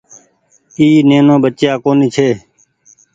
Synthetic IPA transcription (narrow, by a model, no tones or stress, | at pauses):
iːneːnõːɓət͡ʃjaːkoːniːt͡ʃʰeː